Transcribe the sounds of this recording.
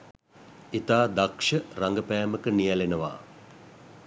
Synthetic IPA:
it̪aːd̪akʂəraŋɡəpæjməkənijɛlenəʋa̰ː

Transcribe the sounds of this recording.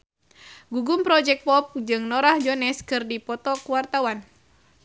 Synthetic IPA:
ɡuɡumpɾɔd͡ʒɛk̚pɔp̚d͡ʒɨŋnɔɾahd͡ʒɔnɛskɨrdipɔt̪ɔkuwart̪awan

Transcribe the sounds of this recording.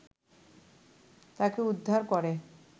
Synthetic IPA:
t̪akeud̪ʱːaɾkɔɾe

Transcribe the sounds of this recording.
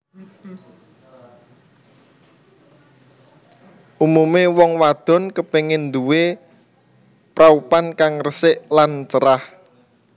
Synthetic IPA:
ʔumumewɔŋwad̪̥ɔ̤nkəpeŋɪnd̪uwe | pɾaupankaŋrəsɪʔlant͡ʃəɾah

